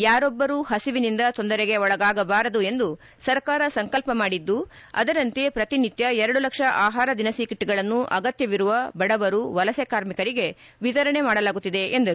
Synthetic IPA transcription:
jaːɾɔbːɐɾuːɦɐsiʋinind̪ɐt̪o̞nd̪ɐɾeɡe̞ɔɭɐɡaːɡɐbaːɾɐd̪ue̞nd̪u | sɐɾkaːɾɐsɐŋkɐlpɐmaːɽid̪ːu | ɐ̰d̪ɐɾɐnt̪epɾɐt̪init̪jɐɛɾɐɽulɐkʂɐʔaːɦaːɾɐd̪inɐsiːkiʈːiɡɐɭɐnːuʔɐɡɐt̪jɐʋiɾuʋɐbɐɽɐbɐɾuʋɐlɐsɛkaːɾmikɐɾiɡe̞ | ʋit̪ɐɾɐɳe̞maːɽɐlaːɡut̪ːid̪e̞end̪ɐɾu

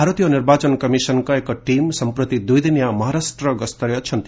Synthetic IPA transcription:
aɾʌt̪ijɔniɾbat͡sɔnkʌmisʌnkɔekɔʈimsʌmpɾʌt̪id̪ujd̪injamʌɦaɾasʈ̪ɾʌɡʌst̪ɾjʌt͡ʃʰʌnt̪i

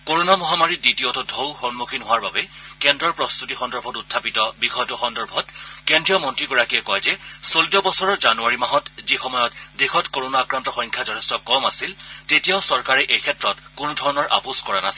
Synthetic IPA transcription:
koɹonamɔɦamaɹiditiotɔdʱowxɔnmukʰinɦowaɹbabɛkɛndɹɔɹpɹɔstutixɔndɔɹbʱɔtutʰːapitɔbikʰɔjtɔxɔndɔɹbʱɔtkendɹijɔmɔntɹiɡɔɹakijɛkɔjzɛsolitɔbɔsɔɹɔɹzanuaɹimaɦɔtzixɔmɔjɔtdexʰɔtkoɹonaːkɹantɔxɔŋkʰjazɔtʰɛstɔkɔmasiltetijaʊsɔɹkaɹɛʔejkʰɛtɹɔtkʊnʊdʱɔɹɔnɔɹʔa̰puskɔɹanasɛ

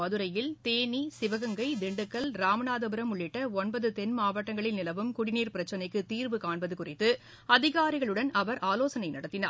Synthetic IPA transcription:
ɐðɯɾɐjɪlt̪eːnisɪʋɐɣɐŋɡɐɪd̪ɪɳɖɯkːɐlɾaːmɐnaːðɐbɯɾɐmʊɭːɪʈːɐɔnbɐðɯt̪ɛnmaːʋɐʈːɐŋɡɐɭɪnnɪlɐʋɯmkʊɽɪniːɾpɪɾɐt͡ʃːɐnɐɪkːɯt̪iːɾʋɯkaːɳbɐðɯkʊrɪt̪ːɯ | ɐðɪɣaːɾɪɣɐɭɯɽɐnɐʋɐɾʔaːloːsɐnɐɪnɐɽɐt̪ːɪna̰ːɾ

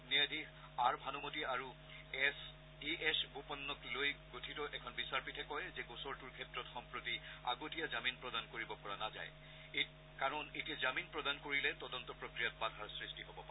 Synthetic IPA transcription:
nɛdi | aɹbʱanumotiaɹu | ɛs | iʔɛsbopɔnːɔklojɡotʰitɔʔɛkʰɔnbisaɹpitʰɛkɔjzɛɡosɔɹtuɹkʰɛtɹɔtxɔmpɹotia̰ɡotijazaminpɹɔdankoɹibɔpɔɹanaza̰j | e | kaɹɔnetiazaminpɹɔdankoɹilɛtɔdɔntɔpɹokɹijat̚badʱaɹsɹistiɦobɔpa

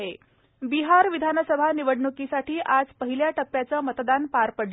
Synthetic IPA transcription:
ɦe | biɦaɾʋid̪ʱanəsəbʱaniʋəɽɳukisaʈiːʔad͡zpəɦiljaʈəpːjat͡səːmət̪d̪anpaɾpəɽ

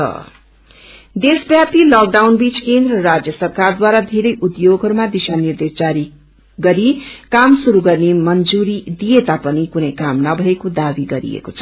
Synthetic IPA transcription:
ʌ̰ | d̪esbjat̪ilʌk̚ɖawnbit͡skend̪rʌɾad͡zjʌsʌrkard̪waɾad̪ʱeɾʌjʔud̪joɡʱɦʌɾumad̪isanird̪esd͡zaɾi | ɡʌɾikamsuɾuɡʌrnemʌnd͡zuɾid̪ijet̪apʌnikunʌjkamnʌbʱʌekod̪abiɡʌɾḭḛkot͡sʰʌ

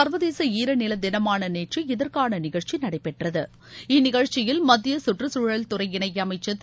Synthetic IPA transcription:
ɐɾʋɐðeːsɐiːɾɐnɪlɐd̪ɪnɐmaːnɐneːʈriɪðɐrkaːnɐnɪɣɐɻt͡ʃinɐɽɐɪpːɛʈrɐðɯ | ɪnɪɣɐɻt͡ʃːɪjɪlmɐd̪ɪjɐsʊʈrɯsuːɻɐlt̪ʊɾɐɪɪɳɐɪjɐmɐɪt͡ʃːɐt̪ː

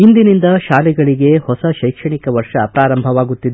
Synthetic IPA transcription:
ind̪inind̪ɐʃaːliɡɐɭiɡe̞hɔsɐʃɐjkʂɐɳikɐʋɐɾʂɐpɾaːɾɐmbʱɐʋaːɡut̪ːid̪e

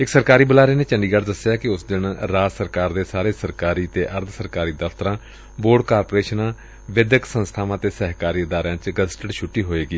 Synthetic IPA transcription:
ɪksəɾkaːɾiːbəlaːɾeːneːt͡ʃəɳɖiːɡəɽd̪əsːjaːkɪʊsd̪ɪnɾaːsəɾkaːɾd̪eːsaːɾeːsəɾkaːɾiːt̪eːʔəɾt̪ʰsəɾkaːɾiːd̪əfʰt̪əɾãː | boːɖkaːɾpoːɾeːʃnãː | ʋɪd̪əksə̃nst̪ʰaːʋãːt̪eːsɛːɦkaːɾiːɪd̪aːɾjãːt͡ʃɡəsʈəɽʃʰʊʈːiːɦoːeːɡiː

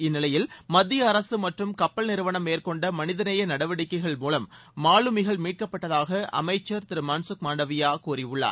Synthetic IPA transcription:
ɪnːɪlɐjɪlmɐðɪjɐːɾɐsɯmɐʈrɯmkɐpːɐɭnɪɾɯʋɐɳɐmːeːrkɔɳɖɐmɐnɪðɐnɐjɐnɐɽɐʋɐɽɪkːɐɪɣɐɭmuːlɐmː | aːɭɯmɪɣɐɭmiːʈ̚kɐpːɐʈːɐðaːɣɐʔɐ̰mɐɪt͡ʃːɐɾt̪ɪɾɯmɐnsɯkmaːɳɖɐʋɪjaːkuːɾɪʊɭːa̰ː

